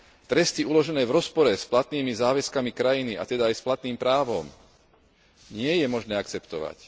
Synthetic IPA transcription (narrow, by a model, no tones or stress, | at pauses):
t̪ɾɛst̪iulɔʒɛnɛːʋɾɔspɔɾɛsplat̪niːmizaːʋɛskamikɾajinia̰t̪ɛd̪aːjsplat̪niːmpɾaːʋɔm | ɲɪɛjɛmɔʒnɛːakt͡sɛpt̪ɔʋa̰c